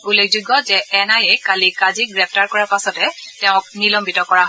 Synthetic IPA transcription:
ulekzuɡɔzɛʔɛnajɛkalikaziɡɹɛp̚ʰtaɹkɔɹaɹpasɔtɛtɛʊ̃k̚nilɔmbitɔkɔɹaɦ

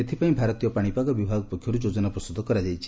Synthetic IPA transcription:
et̪ʰipaĩbʱaɾɔt̪ijɔpaɽ̃ipaɡɔbibʱaɡɔpɔkʰjɔɾud͡ʒod͡ʒɔnapɾɔsud̪ʱːɔkɔɾad͡ʒajt͡ʃʰi̥

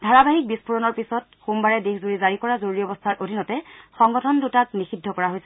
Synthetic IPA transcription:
dʱaɹabaɦik̚bispʰuɹɔnɔɹpisɔt̚xumbaɹɛdexzuɹizaɹikɔɹazoɹiɔbɔstʰaɹʔodʱinɔtɛxɔŋɡɔtʰɔndutaknixidʱːɔkɔɹaɦojsɛ

